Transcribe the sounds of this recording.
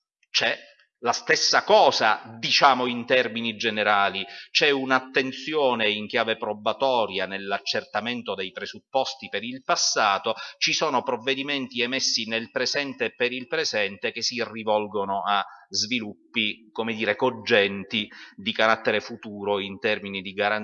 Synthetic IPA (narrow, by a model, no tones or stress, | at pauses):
t͡ʃɛ | last̪esːakɔːzad̪it͡ʃaːmoint̪ɛrminid͡ʒeneɾaːlit͡ʃɛunat̪ːent̪sjɔːneiŋk̟jaːvepɾobat̪ɔːɾjanelːat͡ʃːert̪ament̪od̪ejpɾezupːɔst̪ipeɾilpasːaːt̪ot͡ʃisɔːnopɾovːed̪iment̪iɛmesːinelpɾezɛnt̪epeɾilpɾezɛnt̪ek̟esːirivɔlɡonoazvilupːikomed̪iːɾekod͡ʒːɛnt̪id̪ikaɾat̪ːeɾefut̪uːɾoint̪ɛrminid̪iɡaɾan